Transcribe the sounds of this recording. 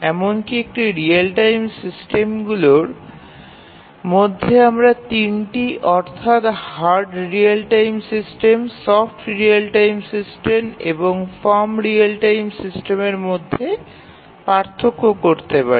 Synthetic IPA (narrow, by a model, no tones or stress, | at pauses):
ɛmonkiek̚ʈiɾialʈajmsisʈemɡuloɾ | mod̪ʱːeamɾat̪inʈiʔɔɾt̪ʰat̪haɾɖɾialʈajmsisʈemsɔfʈɾialʈajmsisʈemḛboŋfɔɾmɾialʈajmsisʈemeɾmod̪ʱːe | paɾt̪ʰːokːokoɾt̪epa̰ɾi